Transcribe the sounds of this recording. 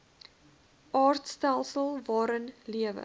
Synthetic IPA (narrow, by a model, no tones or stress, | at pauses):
ɑːrtstælˠsəlˠvɑːɾənliəvə̰